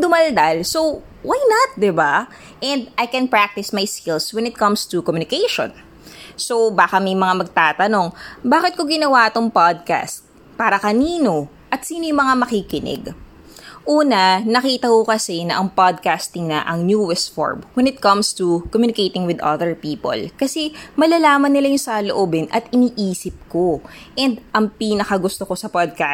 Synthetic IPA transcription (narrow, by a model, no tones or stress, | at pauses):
d̪ʊmɐld̪ɐlso | wajnɐt̪̚d̪ɪba | ʔɛ̃nd̪ajkɛnpɹak̚t̪ɪsmɐjskɪlswɛ̃nɪt̪̚kɐmst̪ukɔmjʊnɪkɛjʃõ̰n | sowbaːkɐmɐjmɐŋamɐɡ̚t̪aːt̪ɐno̞ŋbaːkɪt̪koɡɪnɐwat̪oŋpad̪̚ka̰st̪̚ | paːɾɐkɐniːno̞ | ʔɐt̪siːnojʊŋmɐŋamɐkikɪnɛ̰ɡ | ʔuːnɐnɐkiːt̪ɐkokɐsɛnɐʔɐŋpad̪̚kast̪ɪŋnɐ̰ʔɐŋnjuːwɛsfo̰ɹmwɛnɪt̪̚kɐmst̪ukomjuːnɪkejt̪ɪŋwɪd̪ʔɐ̰ðɛɹpiːpo̰lkɐsɛmɐlaːlaːmɐnːɪlajʊŋsɐloʔoːbɛnʔɐt̪ɪniːʔiːsɪp̚koʔɛnd̪ʔɐŋpiːnɐkɐɡʊst̪oko̞sɐpad̪̚ka